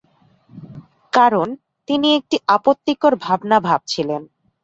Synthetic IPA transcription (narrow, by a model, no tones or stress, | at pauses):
kaɾon | t̪iniek̚ʈiʔapot̪ːikoɾbʱabnabʱab̚t͡ɕʰilen